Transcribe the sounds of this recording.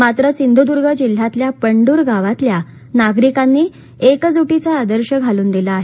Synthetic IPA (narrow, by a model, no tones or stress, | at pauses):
mat̪ɾəsind̪ud̪uɾɡʱəd͡ʑil̤ːat̪ljapəɳɖuːɾɡaʋat̪lja | naɡɾikanːiː | ekd͡zuʈit͡saːd̪əɾɕəɡʱaluːnd̪ilaːɦe